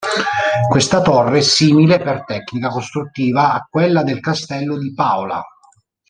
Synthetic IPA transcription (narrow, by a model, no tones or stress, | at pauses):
kwest̪at̪orːesiːmilepert̪ɛkːnikakost̪ɾut̪ːiːvaːkːwelːad̪elkast̪ɛlːod̪ipaola̰